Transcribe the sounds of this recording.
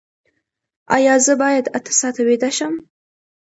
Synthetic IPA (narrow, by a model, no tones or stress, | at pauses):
a̰jaːzɨbaːjadʰatʰɨ̥satʰaɥedaʃam